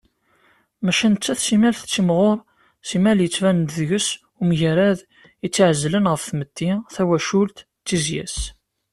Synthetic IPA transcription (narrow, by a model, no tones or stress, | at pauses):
mæʃænt͡sːæθsimælθt͡sːimʁoɾˤ | simæljət͡sːvænt̪ðʝəs | umʝæɾæð | ət͡sːʕəzːlənʁəfθməd̪ːiθæwæʃult̪ːizjæ̰s